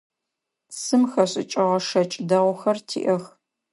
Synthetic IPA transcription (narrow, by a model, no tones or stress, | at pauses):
sɨmxɐɕʼɪ̰t͡ʃʼɪʁɐʂɐt͡ʃʼdɐʁʷʊxɐrtʰḭːʔɐx